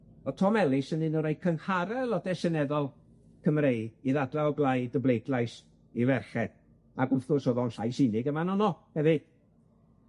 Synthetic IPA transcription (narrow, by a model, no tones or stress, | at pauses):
ɔtʰɔmɛlˠɪsənɨnɔɾajkʰənhaɾɛlˠɔdɛsɛnɛðɔlˠ | kʰəmrejiðadlaɔɡlˠajdəblˠejdlajs | ivɛrχɛ | aɡʊθʊsoðɔnɬajsɪnɪɡəmanɔnɔhɛvɨd̥